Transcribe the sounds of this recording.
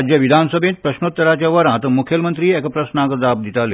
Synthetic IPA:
d͡ʑjəʋid̪ʱansəbʱẽt̪̚pɾəɕnot̪ːəɾat͡ɕjaʋəɾãt̪əmukʰjəlmənt̪ɾiːɛkəpɾəsnãkəd͡zab̚d̪it̪ale

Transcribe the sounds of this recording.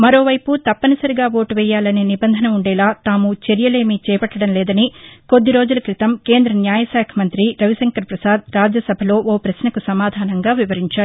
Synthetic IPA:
mɐɾo̞ːʋɐjput̪ɐpːɐnɐsɐɾiɡaːʋoːʈʋɛːjaːlɐneːnibɐnd̪ʱɐnɐuɳɖɛːlaːt̪aːmut͡ʃeɾjɐle̞ːmiːt͡ʃɛːpɐʈːɐɽɐmlɛːd̪ɐniko̞d̪ːiɾo̞ːd͡ʒulɐkɾit̪ɐmke̞ːnd̪ɾɐnjaːjɐsaːkʰɐmɐnt̪ɾiɾɐʋisɐŋkɐɾpɾɐsaːd̪̚ɾaːd͡ʒjɐsɐbʱɐlo̞ːʔoːpɾɐsnɐkusɐmaːd̪ʱaːnɐŋɡaːʋiʋɐɾiɲt͡ʃaːɽu

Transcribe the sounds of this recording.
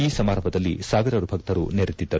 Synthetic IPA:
iːsɐmaːɾɐmbʱɐd̪ɐlːisaːʋiɾɐɾubʱɐk̚t̪ɐɾṵneɾit̪ːid̪ːɐɾ

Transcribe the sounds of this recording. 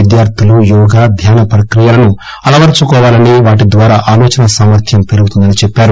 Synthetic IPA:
id̪jaːɾt̪ʰilujɔːɡaːd̪ʱjaːnɐpɾɐkɾijaːlɐnu | ɐlɐʋɐɾt͡ʃukɔːʋaːlɐniʋaːʈ̬id̪ʋaːɾaːʔaːloːt͡ʃɐnɐsaːmɐɾt̪ʰjɐmpe̞ɾuɡut̪und̪ɐnit͡ʃɛpːaːɾu

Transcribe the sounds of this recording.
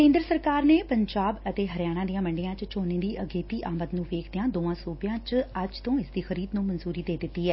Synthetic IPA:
kẽːnd̪ɾəsəɾkaːɾneːpəɲd͡ʒaːbət̪eːɦəɾjaːɽ̃ãːd̪ijãːməɳɖijãːt͡ʃt͡ʃoːnẽːd̪iːʔəɡeːt̪iːʔaːmət̪nũːʋeːkʰd̪ejãːd̪oːãːsuːbɪjãːt͡ʃəd͡ʒt̪õːɪsd̪iːxəɾiːd̪nũːmənzuːɾiːd̪eːd̪ɪt̪ːiːɦɛː

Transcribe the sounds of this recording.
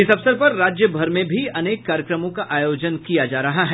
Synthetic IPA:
ɪsɐʋsəɾpɐɾːaːd͡ʒjəbʱɐɾmẽbʱiɐneːkːaːɾjəkɾəmõkaʔaːjoːd͡ʒənkijad͡ʒaːɾɐɦaɦɛː

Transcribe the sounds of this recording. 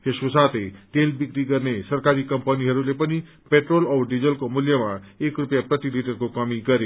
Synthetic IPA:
hesusat̪etelbikɾiɡəɾnesəɾkaɾiːkəmpəniɦəɾulepəñi | peʈɾolɔʋɾɖid͡zəlkomuljəmaekɾupjapɾət̪iliʈəɾkokamiɡəɾe

